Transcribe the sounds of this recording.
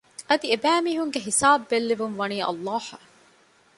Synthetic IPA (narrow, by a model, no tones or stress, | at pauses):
ʔɐd̪iebæːmiɦuŋɡeɦisaːbːelːiʋumʋɐniːʔɐ̰lˤːɑːhɐ